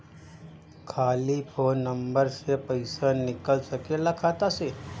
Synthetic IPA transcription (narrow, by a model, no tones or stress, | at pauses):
kʰaːlipʰonːəmbəɾsepəɪsanɪkəlsəkelakʰat̪ase